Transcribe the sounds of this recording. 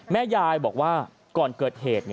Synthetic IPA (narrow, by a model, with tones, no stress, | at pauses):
mɛː˥˩jaː˧jbɔː˨˩k̚waː˥˩ | kɔː˨˩nkɤː˨˩t̪̚heː˨˩t̪̚ni˥˩